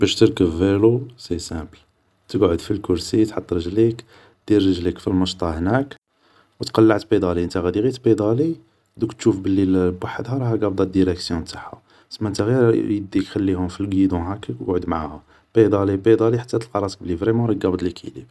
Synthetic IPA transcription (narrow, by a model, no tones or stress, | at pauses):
bæʃt̪əɾkəbːelusesæbl | t̪əɡʕod̪filkʊɾsit̪ħət̪ˤːɾəʒlik | d̪̥irːəʒlikfilməʃt̪ˤɑhnæk | wt̪qɑlːaʕt̪bid̪ˤɑliʔənt̪æɣæd̪iɣit̪bid̪ˤɑli | d̪ũkt̪ʃufbəlːilbwaħəd̪hɑɾˤɑhæɡɑbd̪ˤɑd̪iɾɛksjɔ̃t̪ḁħṵ | səmːæʔənt̪æɣiɾjəd̪ixælːihʊmfilɡid̪ũɦækːəkɡʕod̪mʕahʊm | b̥ed̪ˤɑlibid̪ˤɑliħat̪ːæt̪əlqɑɾˤɑsək̚bəlːivɾimɑɾˤɑɡɑbd̪ˤlikʰḭlḭb